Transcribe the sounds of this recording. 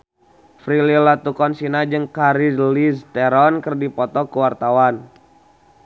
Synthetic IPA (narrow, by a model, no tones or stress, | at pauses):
fɾililat̪ukɔnsinad͡ʒɨŋkaɾizlist̪ɛɾɔnkərdipɔt̪ɔkuwart̪awan